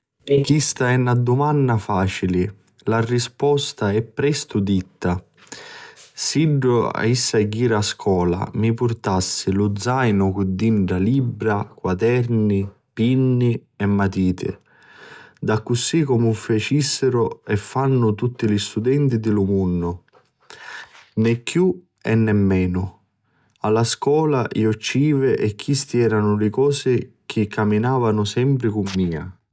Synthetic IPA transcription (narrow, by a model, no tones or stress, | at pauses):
kist̪aɛnːad̪ʊmanːafaːt͡ʃilɪ | larispɔst̪aɛpːɾɛst̪ʊd̪it̪ːa | siɖːʊa̰isːaɡːiːɾaskʰɔːla̰mipʊrt̪asːɪlʊd̪zajnʊkʊd̪ːiɳɖɾalibːɾakwad̪ɛɾni | pinːiɛmːat̪iːt̪ɪ̰ | d̪akːusːikɔmʊfat͡ʃisːɪɾʊɛfːanːʊt̪ut̪ːilist̪ud̪ɛnt̪id̪ɪlʊmunːʊ | nɛkːju | ɛnːɛmːɛːnʊ | alːaskɔːlaʔḭɔt͡ʃːiːvɪʔɛkːist̪iɛːɾanʊlɪkɔːsɪk̟ʰɪkːamːinaːvanʊsɛmpɾɪkumːiːa̰